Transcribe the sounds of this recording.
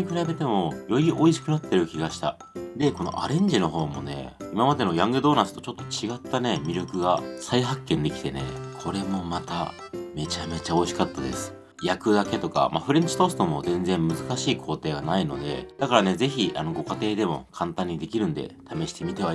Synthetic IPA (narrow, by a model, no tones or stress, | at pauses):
ɲikɯ̟ɾabe̞t̪e̞mo̞jo̞iʔo̞iɕi̥kɯ̟nat̪ːe̞ɾɯ̟kʲiɡaɕi̥t̪a̰ | d̪e̞ko̞no̞̰ʔa̰ɾẽ̞ɲ̟d͡ʑino̞ɦo̞ːmo̞̰ne̞̰imamad̪e̞no̞jãŋɡɯd̪o̞ːnasɨ̥t̪o̞t͡ɕo̞t̪ːot͡ɕiɡat̪ːane̞mʲiɾʲo̞kɯ̟ɡasaiɦakːẽ̞nd̪e̞kʲi̥t̪e̞nḛkʰo̞ɾe̞mo̞mat̪a̰ | me̞t͡ɕame̞t͡ɕao̞iɕi̥kat̪ːad̪e̞̰sɨ̥ | jakɯ̟d̪ake̞t̪oka̰mʔa̰ɸɯ̟ɾẽ̞ɲ̟t͡ɕi̥t̪o̞sɨ̥t̪o̞mo̞̰zẽ̞nzẽ̞mmːɯ̟zɨkaɕiːkʰo̞ːt̪e̞ːɡanaino̞̰d̪e̞̰d̪̥akaɾane̞ze̞çiʔa̰no̞ɡo̞kat̪e̞ːd̪e̞mo̞̰kʰãnt̪ãɲ̟ːid̪e̞kʲiɾɯ̟̃nd̪e̞̰t̪ame̞ɕi̥t̪e̞mʲit̪e̞βa